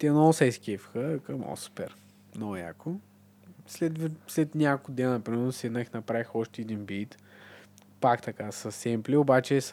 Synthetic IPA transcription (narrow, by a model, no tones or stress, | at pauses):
t̪ɛnosɛjskʲifxəkɐmo̰su̥pɛɾ | noja̰ko | slɛt̪vslɛt̪nʲakod̪ɛnɐpɾimɛɾnosɛnaxnɐpɾavixɔʃt̪ɛɛd̪inbit̪ | pakt̪ɐkasɐsɛmpliobat͡ʃɛs